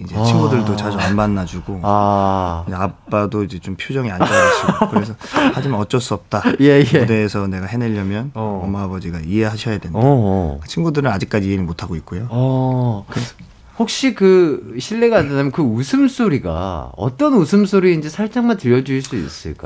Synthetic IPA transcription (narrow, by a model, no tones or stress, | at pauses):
id͡ʑe̞t͡ɕʰinɡudɯɭdot͡ɕad͡ʑuanmanːad͡ʑuɡoaid͡ʑeap͈adoid͡ʑe̞t͡ɕompʰjod͡ʑʌŋiand͡ʑʌaɕʰiɡokɯɾesʰʌhad͡ʑimanʌt͡ɕ͈ʌs͈uʌp̚t͈ajeɯde̞ːsʰʌne̞ɡahe̞neʎːʌmjʌnnʌmaːbʌd͡ʑiɡaiɦe̞ɦaɕʰʌjadwendakt͡ɕʰinɡudɯɾɯnad͡ʑik̚k͈ad͡ʑienimotʰaɡoit̚k͈ojoʌkɯɾe | hok̚ɕ͈ikɯɕʰiɭːe̞ɡadanamjʌnkɯusʰɯms͈ʰoɾiɡa̰ʌ̰t͈ʌnusʰɯmsʰoɾiind͡ʑe̞sʰaɭt͡ɕ͈aŋmantɯɾjʌd͡ʑuiɭs͈uḭs͈ɯ̰ɭk͈a̰